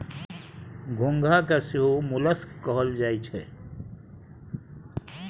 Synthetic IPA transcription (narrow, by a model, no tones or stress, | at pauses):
ɡʱʊ̃ŋɡʱakasiɦomʊləskkɔɦəld͡ʒaːjt͡ʃʰɛ